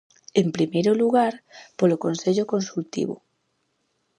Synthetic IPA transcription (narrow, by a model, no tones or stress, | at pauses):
empɾimejɾoluɣaɾpolokonseʎokonsult̪ḭβo̰